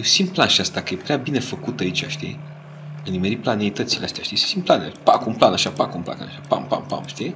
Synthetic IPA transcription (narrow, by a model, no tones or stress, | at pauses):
jesind̪̚planʃiast̪akəjepɾeabine̞fəkut̪ait͡ʃʲaʃt̪ḭe | ɨnimeɾiplaneit̪ət̪sileast̪ejaʃt̪ije̥sin̚planelpa̰kumplanaʃapakumpla̰kanaʃapa̰mpa̰mpa̰mʃt̪i